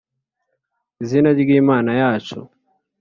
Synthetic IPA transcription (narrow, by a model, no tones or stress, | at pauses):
izinaɡiːmaːnajaːt͡ʃo̰